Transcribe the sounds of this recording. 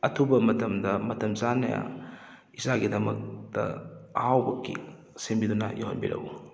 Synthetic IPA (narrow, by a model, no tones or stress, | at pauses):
ɐtʰubɐmɐtɐmdɐmɐtɐmzanɐ̰ja̰ | izaɡidɐmɐk̚tɐ̰hawbɐkːḭ | sembidunɐ̰joɦɐnbiɾɐ̰ɡu